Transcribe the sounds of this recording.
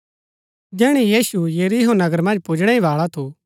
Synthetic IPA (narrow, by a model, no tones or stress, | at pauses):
d͡ʒɛːɽ̃ijiːsujeɾiɦonɐɡəɾmɐ̃nd͡ʒpʊd͡ʒɽ̃ɛĩʋaːɭat̪ʰo